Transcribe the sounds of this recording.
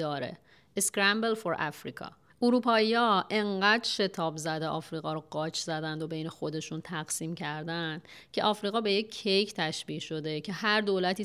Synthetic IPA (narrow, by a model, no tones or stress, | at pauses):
ɒːɾḛ | eskɾæmbelfoɾʔæ̰fɾḭːkʰɒ̰ː | uɾuːpʰɒːijɒːʔe̞ŋɢæːd̪ʃe̞t̪ʰɒːbzæd̪eʔɒːfɾiːɣɒːɾoɢɒːt͡ʃʰzæd̪ænd̪o̞be̞jne̞xo̞d̪e̞ʃunt̪ʰæɡsiːmcʰæɾd̪ænd̪̥cʰe̞ʔɒːfɾiːɣɒːbe̞je̞cʰːejcʰt̪ʰæʃbiːɡʃo̞d̪ecʰe̞hæɾd̪oːlæt̪ʰiː